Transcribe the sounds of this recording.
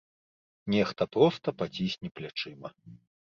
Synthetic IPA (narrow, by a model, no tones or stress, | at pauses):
nʲɛxt̪ɐpɾɔst̪ɐpat͡sʲisʲnʲiplʲat͡ʂɨmɐ